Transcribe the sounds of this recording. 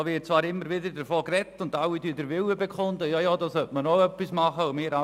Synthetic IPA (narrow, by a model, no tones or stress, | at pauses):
ʋɪt̚t͡svɑːɾɪmːəɾvɪdədəɾfoːkrɛtːʊndaʊwidyːdəɾvɪwəbekʰχʊndəjɑːjɑːdɑːsœtmənoœpːismɑχəʊmɪːɾa